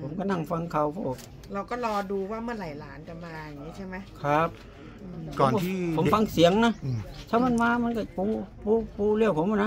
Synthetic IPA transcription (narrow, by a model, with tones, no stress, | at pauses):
pʰo˨˦mkɔ˧˩na˧˥˩ŋfa˧ŋkʰa˧˩wpʰɔː˧˩ | ɾa˧wkɔː˥˩lɔː˧duː˧waː˥˩mɯ˥˩ənlaː˨˩˦jlaː˨˩˦nt͡ɕa˧maː˧jŋiː˦˥t͡ɕʰa˥˩ma˦jkʰɾa˦˥p̚ | kɔː˨nː˧˩˥pʰo˨˦mfa˧ŋsi˨˩˦əŋna˦˧˥t̪ʰaː˧˩wma˧˥˨nmaː˧ma˧˥˨nkaː˧˩puː˧˥puː˧˥puː˧˥li˧˩əwpʰo˨˦mːa˧˩˨na˧